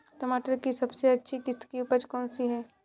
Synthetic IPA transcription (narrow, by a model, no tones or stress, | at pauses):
ʈomaːʈəɾkisɐbseɐtːʃʰikɪst̪kiupəɾd͡ʒkɔːnsiɦɛː